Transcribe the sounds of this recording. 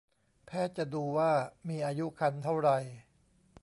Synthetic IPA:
pʰɛː˦˥˩t͡ɕa˨˩ʔduː˧waː˥˩miː˧ʔaː˧ju˦˥kʰa˧nt̪ʰa˥˩wɾa˧j

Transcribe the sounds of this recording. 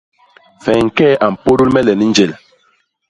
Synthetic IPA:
fɛ˨ŋ̩˨kɛ˦ʔa˨m̩˨po˦du˦lmɛ˦lɛ˨ni˦n˦d͡ʒe˨l

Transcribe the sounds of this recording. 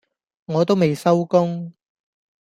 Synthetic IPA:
ŋɔː˨˧t̪o˥wme˨jsɐ˥wkʊ˥ŋ

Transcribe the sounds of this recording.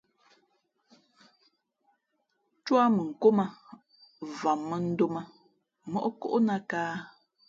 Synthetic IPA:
t͡ʃwa˦mə˨ŋ̩˨ko˦ma˦ | va˨mːə˦n̩˦do˦ma˦ | mɔ̰˦ʔko̰˦ʔna˦kaː˦

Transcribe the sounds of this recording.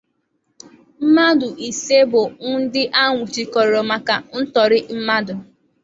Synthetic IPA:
m̩˦ma˦dʊ˨ʔi˨se˦bʊ˨ŋ̩˦n̩˦dɪ˦ʔa˦ŋʷʊ˨t͡ʃi˨kɔ˨ɾɔ˨ma˨ka˨n̩˦tɔ˨ɾɪ˦m̩˦ma˦dʊ˨

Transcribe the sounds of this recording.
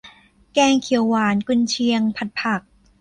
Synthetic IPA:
kɛː˧ŋkʰi˨˩˦əwːaː˨˩˦nku˧nt͡ɕʰi˧əŋpʰa˨˩t̪̚pʰa˨˩k̚

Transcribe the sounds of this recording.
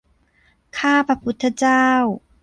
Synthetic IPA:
kʰaː˥˩pʰɾa˧pʰu˦˥t̪ʰːa˧˥t͡ɕaː˥˧w

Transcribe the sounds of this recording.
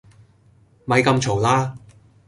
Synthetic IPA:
mɐ˨˧jkɐ˧mt͡ʃʰo˨˩laː˥

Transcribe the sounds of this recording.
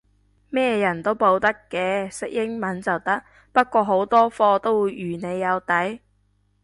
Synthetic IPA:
mɛː˥˩jɐ˨˩nt̪o˥wpo˧wt̪ɐ˥kːɛː˨˧sɪ˥k̚jɪ˥ŋmɐ˨˥nt͡sɐ˨wt̪ɐ˥k̚ | pɐ˥t̚kʷɔː˧ɦo˨˥wt̪ɔː˥fɔː˧t̪o˥wjyː˨˩ne˨˧jːɐ˨˧wt̪ɐ˨˥j

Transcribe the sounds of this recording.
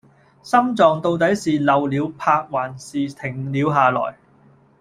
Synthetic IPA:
sɐ˥mt͡sɔː˨ŋt̪o˧wt̪ɐ˨˥jsiː˨lɐ˨wliː˨˧wpʰaː˧k̚waː˨˩nsiː˨t̪ʰɪ˨˩ŋliː˨˧wɦaː˨lɔ̰ː˨˩j

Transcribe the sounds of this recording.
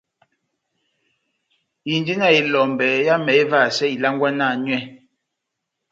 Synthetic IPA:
i˨ndi˦na˦˨i˨lɔ˨m˨bɛ˨ja˦mɛ˨e˦va˦˨sɛ˦i˨la˦ŋ˦ɡwa˦na˦˨nɥɛ˦

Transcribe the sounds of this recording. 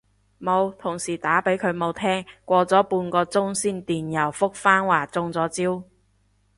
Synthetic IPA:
mo˨˧wt̪ʰʊ˨˩ŋsiː˨˩t̪aː˨˥pe˨˥jkʰɵ˨˧ɥmo˨˧wt̪ʰɛː˥ŋkʷɔː˧t͡sɔː˨˥puː˧nkɔː˧t͡sʊ˥ŋsiː˥nt̪iː˨˩njɐ˨˩wfʊ˥k̚faː˥nwaː˨˩t͡sʊ˧ŋt͡sɔː˨˥t͡siː˥w

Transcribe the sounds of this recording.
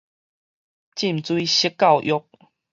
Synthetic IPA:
t͡ɕi˥˨mt͡swi˦ɕi˦kːa˥˨wʔjo˦k̚

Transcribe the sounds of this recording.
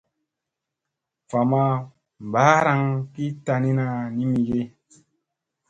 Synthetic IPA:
fa˨ma˦ | m˨ba˨˦ɾa˧ŋki˦ta˧ni˦na˧ni˦mi˨ɡe˦

